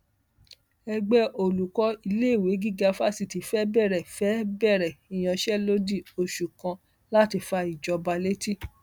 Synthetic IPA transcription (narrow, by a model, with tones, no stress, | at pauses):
ɛ˧ɡ͡bɛ˦ʔo˨lu˨kɔ˧˦i˧le˦i˦˨we˨˦ɡi˦ɡa˧fa˦si˧˨ti˨˦fɛ˦bɛ˦˨ɾɛ˨fɛ˨˦bɛ˦˨ɾɛ˨i˨j̃ã˧ʃɛ˦lo˦di˦˨o˧ʃu˨kã˧ | la˦ti˧fa˧i˨d͡ʒɔ˧ba˧le˦ti˦